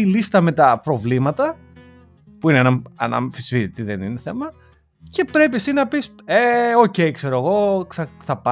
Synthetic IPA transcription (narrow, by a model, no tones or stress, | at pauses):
ilist̪ɐme̞t̪ɐpɾo̞vlimɐt̪ɐ | puinenɐɐ̰nɐ̰ɱfisfiɾit̪iðenineθe̞mɐ | ce̞pɾe̞pisinɐpiseo̞ce̞jkse̞ɾoeɣo̞θɐθɐpɐ